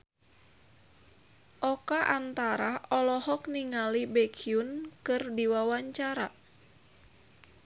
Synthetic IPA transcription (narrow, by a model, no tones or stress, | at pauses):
ʔɔkaʔant̪aɾaɔlɔhɔk̚niŋalibɛkʰiunkɨrdiwawaɲt͡ʃaɾa